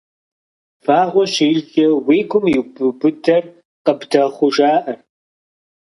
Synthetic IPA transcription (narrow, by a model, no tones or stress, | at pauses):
faːʁʷɔɕiːɮɬɐwiːɡʷʰʼʊmjɪbɨbɨdʰɐr | qəbdɐχʷʊʒaːʔɐr